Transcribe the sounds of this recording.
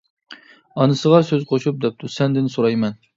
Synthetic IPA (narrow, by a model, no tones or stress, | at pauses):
ɑnɨsəʁɑsøzqʰoʃup̚d̪ɛp̚t̪ʰusɛnd̪ɪnsoɾɑjmɛn